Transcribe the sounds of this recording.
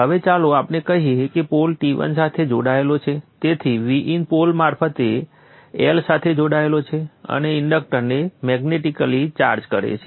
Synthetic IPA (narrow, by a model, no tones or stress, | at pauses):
ɦəʋet͡ʃaloapnekəɦiekepolʈiʋə̰nsat̪ʰed͡ʒo̰ɽaelot͡ʃʰet̪et̪ʰiʋiʔinpolmaɾfət̪e | elsat̪ʰed͡ʒoɽaelot͡ʃʰeə̰neɪɳɖək̚ʈəɾnemɛɡneʈikəlit͡ʃa̰ɾd͡ʒkəɾḛt͡ʃʰe